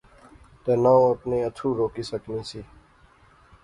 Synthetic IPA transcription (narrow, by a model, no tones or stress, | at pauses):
t̪eːnawt̪nẽːət̪ʰuːɾoːkisəknĩsiː